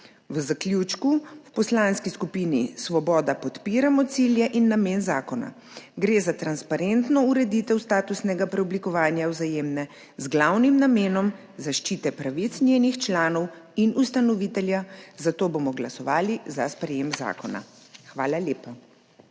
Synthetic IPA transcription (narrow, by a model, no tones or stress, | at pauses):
wəzaklʲjuːt͡ʃkuwpɔslaːnskiskupinisʋɔbɔːd̪apɔt̪piːɾamɔt̪siljɛʔinːameːnzaːkɔna̰ | ɡɾeːzat̪ɾanspaɾent̪nɔuɾɛd̪it̪ɛwst̪aːt̪usnɛɡapɾɛɔblikɔʋaːnjawzajeːmnɛ | zɡlawnimnameːnɔm | zaʃt͡ʃiːt̪ɛpɾaʋit̪snjeːnixt͡ʃlaːnɔwinust̪anɔʋit̪ɛljazat̪oːbomɔɡlasɔʋaːlizaspɾɛjemza̰ːkɔna̰ | xʋaːlalʲjeːpa